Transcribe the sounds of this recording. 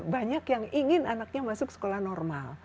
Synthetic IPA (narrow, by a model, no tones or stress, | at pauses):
baɲakjaŋiŋɪnanak̚ɲamasʊksə̥kolahnɔrmal